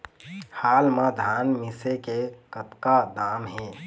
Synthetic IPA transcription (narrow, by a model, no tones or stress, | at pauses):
haːlmãd̪ʱaːnmɪsekekət̪kad̪aːmɦẽː